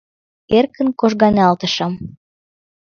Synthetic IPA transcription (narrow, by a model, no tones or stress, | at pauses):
erkə̆nkoʒɣɑnʲɑlt̪ɤ̆ʃɑm